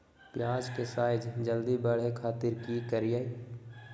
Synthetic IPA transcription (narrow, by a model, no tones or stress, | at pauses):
pjaːd͡ʒkesaːɪd͡ʒd͡ʒəld̪ibəɽ̤ekʰaːt̪ɪɾkikəɾɪjaːi